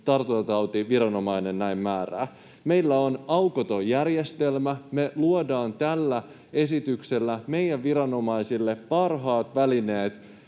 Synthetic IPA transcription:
t̪ɑrt̪oɑt̪ɑwt̪iʋiɾɑno̞mɑjne̞nnæimmæːræ̰ː | me̞ilːæonɑukot̪o̞jærjest̪e̞lmæme̞luodɑːnt̪ælːæ | e̞sit̪ykse̞lːæme̞ijæʋʋiɾɑno̞mɑisilːe̞ppɑrɦɑːt̪ʋæline̞ːt̪

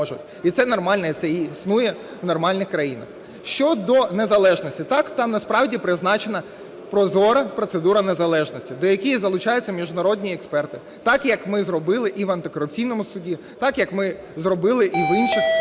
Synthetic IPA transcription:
ɔʒʊtʲ | it̪sɛnɔrmɑlʲnɐit̪sɛisnujɛʋnɔrmɑlʲnɪxkɾɐjinɐx | ʃt͡ʃɔd̪ɔnezɐlˠɛʒnɔsʲtʲit̪ɑkt̪ɑmnɐspɾɑwdʲipɾɪznɑt͡ʃenɐ | pɾɔzɔɾɐpɾɔt̪sed̪uɾɐnezɐlˠɛʒnɔsʲtʲid̪ɔjɐkʲijizɐlˠʊt͡ʃɑjʊt͡sʲːɐmʲiʒd̪ʊnɐɾɔdʲnʲiɛkspɛrt̪ɪ | t̪ɑkjɐkmɪzrɔbɪlˠɪʔiʋɐnt̪ɪkɔɾʊp̚t͡sʲijnɔmʊsʊdʲi | t̪ɑkjɐkmɪ | zrɔbɪlˠɪʔiʋinʃɪx

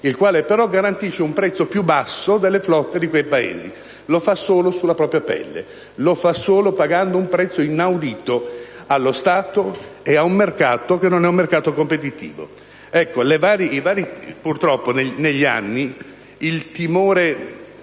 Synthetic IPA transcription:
ilkwaːlepeɾɔɡaɾant̪iʃːeumpɾɛt̪sːopjubasːod̪elːeflɔt̪ːed̪ikwejpaḛːzi | lofasoːlosulːapɾɔːpɾjapɛ̰lːḛ | lofasoːlopaɡand̪oumpɾɛt̪sːoinawd̪iːt̪oalːost̪aːt̪oeaumːerkaːt̪ok̟enːonɛumːerkaːt̪okompet̪it̪ḭːvo̰ | ɛkːolevaːɾiivaːɾipurt̪ɾɔpːoneneʎːia̰nːi | ilt̪imoːɾe

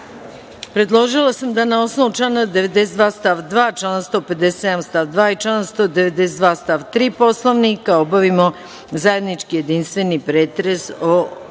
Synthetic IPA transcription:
pɾe̞d̪lˠo̞ʒilˠasamd̪anao̞snoʋut͡ʃlanad̪eʋe̞d̪esed̪ʋaːst̪aːʋd̪ʋaːt͡ʃlanst̪o̞pe̞d̪ese̥sed̪amst̪aːʋd̪ʋaːit͡ʃlaːd̪anst̪od̪e̞ʋed̪esed̪ʋaːst̪aʋt̪ɾiːpo̞slˠoʋnikaobaʋimo | zaje̞d̪nit͡ʃkije̞d̪inst̪ʋe̞nipɾeːt̪ɾeso

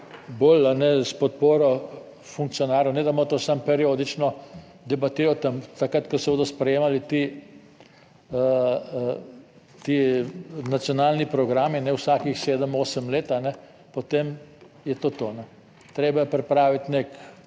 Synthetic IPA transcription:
boːlanɛspɔt̪̚poːɾɔ | fuŋk̚t̪sijɔnaːɾjonɛd̪amot̪oːsampɛɾioːd̪it͡ʃnɔ | d̪ɛbat̪iːɾɔt̪ɐmt̪akɾat̪kɔsɛboːd̪ɔspɾɛjeːmalit̪i | t̪i | nat̪sjɔnaːlnipɾɔɡɾaːminɛwsaːkixseːd̪əmoːsəmleːt̪anɛ | pot̪em | jɛt̪oːt̪onɛ | t̪ɾeːbajɛpɾɛpɾaːʋit̪nek

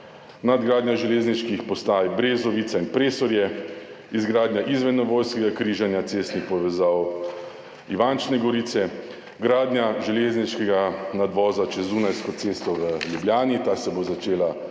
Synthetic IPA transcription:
nad̪ɡɾaːd̪nɲjaʒɛleːzniʃkixpɔst̪aːjbɾeːzɔʋiːt̪sainpɾeːsɔɾjɛ | izɡɾaːd̪njaʔizʋɛd̪nɔʋoːjskɛɡakɾiːʒanjat̪seːst̪nixpɔʋɛzaːw | iʋant͡ʃnɛɡɔɾiːt̪sɛ | ɡɾaːd̪nʲjaʒɛleːzniʃkɛɡanad̪ʋɔːzat͡ʃɛzunajskɔt̪seːst̪ɔʋəljubljaːnit̪aːsɛbozat͡ʃeːla

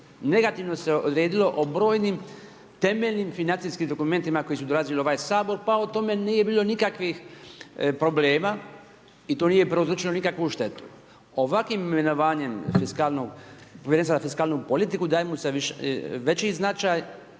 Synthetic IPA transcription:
ne̞ɡat̪iʋno̞se̞ʔod̪ɾeːd̪ilo̞ʔobɾo̞ːjnim | t̪e̞meʎnimfinant̪siskimd̪o̞kume̞nt̪imakojesud̪o̞lazilio̞ʋaːjsaːbo̞ɾpaot̪o̞me̞niːjebiːlo̞nikakʋix | pɾo̞ble̞ːmaː | it̪oːnijepɾozɾut͡ʃilonikakʋuʃt̪e̞t̪u̥ | oʋakʋimimmenoʋaːɲe̞mfiskaːlnoɡpoʋjeɾensazafiskaːlnupo̞lit̪ikud̪aːjemuseʋiʃʋe̞t͡ɕiznat͡ʃaːj

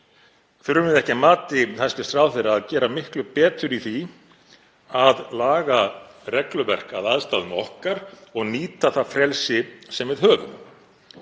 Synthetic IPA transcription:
θʏɾʏmɪðɛhcɪmaːt̪ɪθasc̪ɪ̥st̪ɾaːwθɛjɾaːðcɛːɾamɪhklʏpɛːt̪ʏɾiθi | aðlaːɣa | rɛklʏvɛr̥ka̰ðaðst̪aðʏmɔhkaɾɔɣniːt̪aθafɾɛlsɪsɛmvɪðɦœːɣʏ̰m

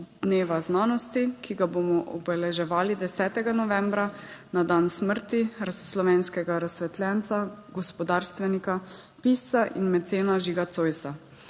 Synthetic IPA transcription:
d̪neːʋaznaːnɔst̪ikiɡabomɔʔɔbɛlɛʒɛʋaːlid̪ɛsɛːt̪ɛɡanɔʋɛ̃mbɾanad̪ansməɾt̪iɾasːlɔʋɛːnskɛɡaɾasʋɛt̪lʲɛnt̪saɡɔspɔd̪aːɾst̪ʋɛnika | pist̪saʔḭnmɛt̪seːnaʒiɡat̪soːjsa

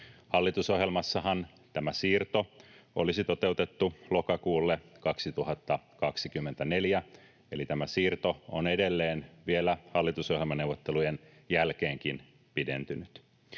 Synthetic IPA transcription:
hɑlːit̪usoɦjelmɑsːɑhɑn | t̪æmæsiːrt̪oolisit̪ot̪e̞ut̪et̪ːulo̞kɑkuːlːekɑksit̪uhɑt̪ːɑkɑksikymːent̪æneljæ | elit̪æmæsiːrt̪oonedelːeːnʋielæhɑlːit̪usoɦjelmɑnewʋːot̪ːelujen | jælk̟eːŋkin | pidḛnt̪ynyt̪

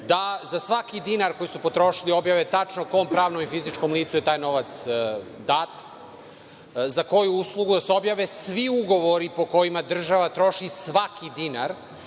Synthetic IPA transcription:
d̪azasʋakid̪inaɾko̞jisupo̞t̪ɾo̞ʃilio̞bjaːʋet̪at͡ʂnoko̞mpɾaːʋnomifizit͡ʃko̞mlˠiːt̪suje̞t̪aːjno̞ʋat̪sd̪aːt̪ | zako̞juuslˠuɡud̪aseo̞bjaːʋesʋiuɡo̞ʋoɾipo̞ko̞jimad̪r̩ʒaʋat̪ɾo̞ʃisʋakʰid̪inaɾ

